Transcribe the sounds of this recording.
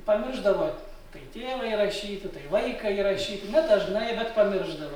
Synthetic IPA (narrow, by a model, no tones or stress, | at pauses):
pɐmʲɪrʒd̪ɐʋoː | t̪ɐɪt̪ʲeːʋɐiɾɐʃʲiːt̪ɪt̪ɐɪlˠɐɪkɐiɾɐʃʲiːt̪ɪnʲɛd̪ɐʒnɐjbʲɛt̪pɐmʲɪrʒd̪ɐʋo